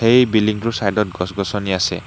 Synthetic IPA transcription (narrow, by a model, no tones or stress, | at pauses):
hejbiliŋtusajdɔt̚ɡɔsɡɔsɔniasɛ̰